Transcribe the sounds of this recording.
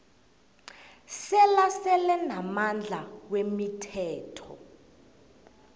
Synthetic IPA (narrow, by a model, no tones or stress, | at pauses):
sɛlasɛlɛnamand͡ɮʱawemitʰɛːtʰɔ̰